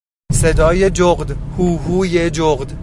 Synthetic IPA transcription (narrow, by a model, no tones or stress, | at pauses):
sed̪ɒːjed͡ʒoɣd̪huːɦuːjed͡ʒoɣd̪